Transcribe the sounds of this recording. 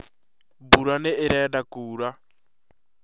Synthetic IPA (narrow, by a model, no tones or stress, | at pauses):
buɾanɪɪɾɛdakuːɾa